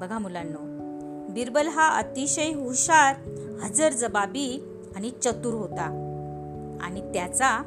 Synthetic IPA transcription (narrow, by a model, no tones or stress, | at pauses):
bəɡʱamulanːo | biɾbəlɦaʔə̰t̪iɕəjɦuɕaɾ | həd͡zəɾd͡zəbabi | añit͡ɕət̪uɾɦot̪a | a̰ɽ̃it̪jat͡sa